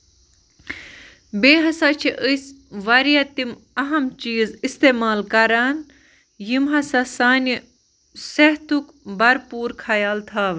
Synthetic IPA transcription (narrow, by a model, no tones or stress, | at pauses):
beːɦɐsaːt͡ʃʰiʔəsʋɐɾijat̪im | ɐɦɐmt͡ʃiːzist̪eːmaːlkɐɾaːn | jimɦɐsasaːn | sɐɦt̪uk | bɐɾpuːɾkʰɐjaːlt̪ʰaːʋ